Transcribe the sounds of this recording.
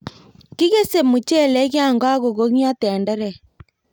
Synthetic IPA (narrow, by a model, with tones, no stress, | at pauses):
ki˦ɣe˦se˨mo˨t͡ʃe˦˨lɛ˨˦ɣja˦˨ŋɡwa˦ɣo˨ɣo˦ɣa˦tɛ˨ndɛ˦ɾɛ˨